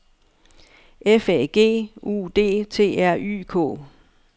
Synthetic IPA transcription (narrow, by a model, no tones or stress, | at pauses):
efɛɡ̥e̝̰ːṵːd̥e̝̰ːt͡sʰe̝̰ːæɐ̰ʔy̰ːkʰɔ̰ː